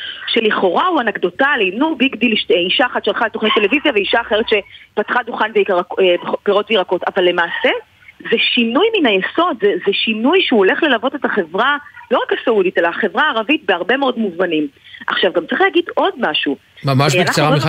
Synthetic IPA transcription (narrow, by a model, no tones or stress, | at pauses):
ʃeliχo̞ʁauanaɡdo̞talinubiɡdilʃteiʃaːχatʃelχaletoχnet̪e̞levizjaveiʃaːχe̞ʁetʃe̞pat̪χaduχanveʁepeʁo̞tveiʁako̞tavalːe̞maːse̞ | zeʃinujminajeso̞d̪zezeʃinujʃeuole̞χle̞lavo̞te̞taχe̞vʁalo̞ʁakasaudite̞laːχe̞vʁaːʁavit̚beaʁbe̞meo̞dmuzmanimʔaχʃavɡamt͡saʁiχleaːɡido̞dmaʃu | mamaeanaχ